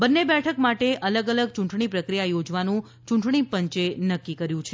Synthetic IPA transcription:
bənːebɛʈʰəkmaʈeʔələɡələɡ̚t͡ʃuɳʈɳipɾəkɾijajod͡ʒʋanũ | t͡ʃuɳʈɳipəɲt͡ʃenəkːikəɾjũt͡ʃʰe

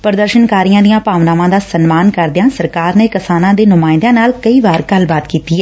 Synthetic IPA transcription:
pəɾəd̪əɾʃənkaːɾijãːd̪ijãːpaːʋnaːʋãːd̪aːsənmaːnkəɾd̪ɪjãːsəɾkaːɾneːkɪsaːnãːd̪eːnʊmaːɪ̃d̪ãːnaːlkəiːʋaːɾɡəlbaːt̪kiːt̪iːɛː

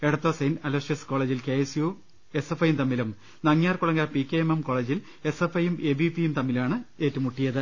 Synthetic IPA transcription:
eɽɐt̪ːoːsejnɐloʂjɐsko̞ːɭe̞ːd͡ʑilke̞ːesju | e̞sefɐjumt̪ɐmːilum | nɐŋjaːrkuɭɐŋɡaːrpikʲːeememko̞ːɭeːd͡ʑil | e̞sefɐjumeːbipijumt̪ɐmːilmaːɳɨeːtːumuʈːijɐðɨ

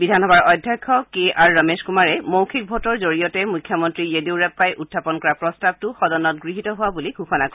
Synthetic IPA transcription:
bidʱanɦɔbaɹɔjdʱːjɔjkʰːɔkeaɹːəmeskumaɹɛmowkʰit̚bʱotɔɹzoɹijɔtɛmujkʰːjɔmɔntɹijediwɹɛpːajʔutʰːapɔnkɔɹapɹɔstab̚tʊxɔdɔnɔt̚ɡɹiɦitɔɦʊwabuliɡʱuxɔnak

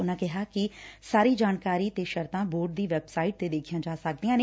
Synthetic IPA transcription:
ʊnãːkɪɦaːkɪsaːɾiːd͡ʒaːnkaːɾiːt̪eːʃəɾt̪ãːboːɾɖ̚d̪iːʋɛːbsaːɪʈ̚t̪eːd̪eːkʰijãːd͡ʒaːsək̚d̪ijãːneː

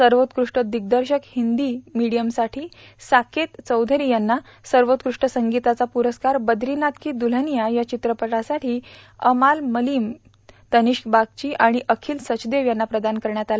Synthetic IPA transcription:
səɾʋot̪kɾuʂʈəd̪iɡ̚d̪əɾɕəkhind̪imiɽijəmsaʈʰiː | sakʰet̪t͡səwd̪ʱəɾijanːa | səɾʋot̪kɾuʂʈəsəŋɡit̪at͡sapuɾəskaɾbəd̪ʱɾinat̪kiːd̪ul̤ənijajat͡ɕit̪ɾəpəʈasaʈiːə̰malməliːm | t̪əniɕbaɡ̚t͡ɕiːʔaɽ̃iʔəkʰiːlsət͡ɕd̪eʋjanːapɾəd̪ankəɾɳjat̪ala

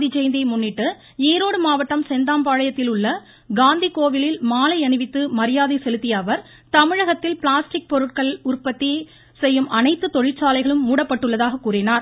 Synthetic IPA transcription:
d̪it͡ʃɛjnd̪ɐɪmʊnːɪʈːɯ | eːɾoːɽɯmaːʋɐʈːɐmsɛnd̪aːmpaːɻɐjɐt̪ːɪlʊɭːɐ | ɡaːnd̪ikoːʋɪlɪlmaːlɐɪɐnɯʋɪt̪ːɯmɐɾɪjaːðɐɪsɛlɯt̪ːɪjɐːʋɐɾ | t̪ɐmɪɻɐɣɐt̪ːɪlpɪɭaːsʈɪk̚pɔɾɯʈ̚kɐɭʊrpɐt̪ːi | sɛjːɯmʔɐnɐɪt̪ːɯt̪ɔɻɪt͡ʃːaːlɐɪɣɐɭɯmːuːɽɐpːɐʈːɯɭːɐðaːɣɐkːuːrɪnaːɾ

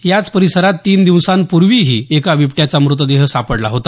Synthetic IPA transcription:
jat͡spəɾisəɾat̪ːiːnd̪iʋsãnpuɾʋiɦiːekaʋipʈjat͡samɾut̪̬əd̪eɦəsapəɽlaɦot̪a

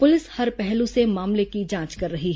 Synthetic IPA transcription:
pʊlɪshɐɾpɛɦlũsemaːmlekid͡ʒãːt͡ʃkɐɾːɐɦiɦɛ

